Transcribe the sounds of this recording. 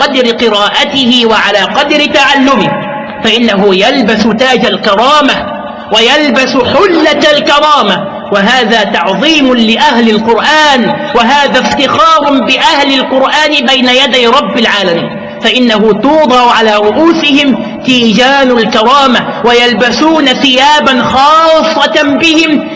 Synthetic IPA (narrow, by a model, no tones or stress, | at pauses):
qɑd̪ɾɪqɨɾaːʔat̪ɪhɪwaʕalaːqɑd̪ɾɪt̪aʕalːʊmɪh | faʔɪnːaɦʊjalbasʊt̪aːd͡ʒalkɑɾˤɑːma | wajalbasħʊlːat̪lkɑɾˤɑːma | waɦaːðaːt̪ɑʕðˤiːmʊlɪʔaɦlɪlqʊɾʔaːnwaɦaːðaːft̪ɪxɑːɾˤʊbɪʔahlɪlqʊɾʔaːnɪbajnajad̪ajɾˤɑbːɪlʕaːlamiːn | faʔɪnːahʊt̪uːd̪ˤɑʕʕalaːɾˤʊʔuːsɪhɪm | t̪iːd͡ʒaːnʊlkɑɾˤɑːmawajalbasuːnaθɪjaːbanxɑːsˤːɑbɪhɪm